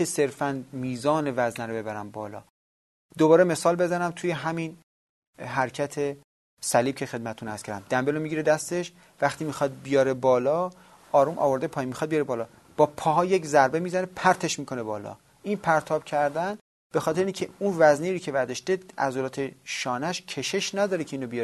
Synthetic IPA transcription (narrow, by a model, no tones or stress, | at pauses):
ese̞ɾfænmiːzɒːne̞væznæɾobe̞bæɾæmbɒ̰ːlɒ̰ː | d̪obɒːɾeme̞sɒːlbe̞zænæmt̪ʰuːje̞ɦæmin | ɦæɾcʰæt̪ʰe | sæliːb̥̚cʰe̞xed̪mæt̪ʰet̪ʰunæ̰st̪kʰæɾæ̰md̪æmbelomiɟiːɾed̪æst̪e̞ʃ | væxt̪iːmixɒd̪̚bijɒːɾebɒːlɒː | ɒːɾumʔɒ̰ːvo̞ɾd̪epʰɒːjinmixɒːd̪bijɒːɾebɒːlɒː | b̥ɒːpʰɒːɦɒːjeczæɾbe̞miːzænepʰæɾt̪ʰe̞ʃmiːkʰo̞ne̞bɒːlɒ̰ː | inpʰæɾt̪ʰɒːb̥cʰæɾd̪æn | b̥e̞xɒːt̪ʰeɾeiːŋcʰeunvæzniɾoːcʰe̞væɾd̪ɒʃd̪eʔæ̰zolɒːt̪ʰeʃɒːnæʃcʰe̞ʃe̞ʃnæd̪ɒːɾecʰeiːnobijɾ